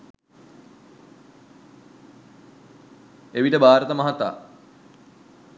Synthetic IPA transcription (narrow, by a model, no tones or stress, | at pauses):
eʋiʈəbaːɾət̪əmɐɦat̪a̰ː